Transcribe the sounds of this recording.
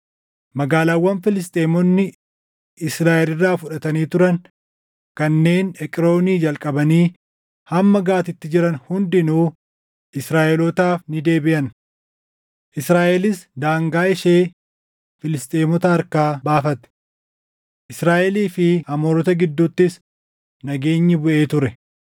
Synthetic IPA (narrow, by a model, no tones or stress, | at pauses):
mɐɡaːlaːwːɐnfɪlɪs̬t̪ʼeːmɔnːɪ | ɪsɾaːʔɛlɪrːaːfʊᶑɐt̪ɐniːt̪ʊɾɐn | kɐnːe̞ːnɛkʼɪɾo̞ːniːd͡ʒɐlkʼɐbɐniː | hɐmːɐɡaːt̪ɪt̪ːɪd͡ʒɪɾɐnhʊnd̪ɪnuː | ʔɪsɾaːʔɛlɔt̪aːfnɪd̪e̞ːbɪʔɐn | ʔɪsɾaːʔɛlɪsd̪aːŋɡaːɪʃe̞ː | fɪlɪst̪ʼeːmɔt̪ɐɐɾkaːbaːfɐt̪ɛ̥ | ʔɪsɾaːʔɛliːfɪhɐmoːɾɔt̪ɐɡɪd̪ːuːt̪ːɪs | nɐɡe̞ːɲːɪbʊʔe̞ːt̪ʊɾɛ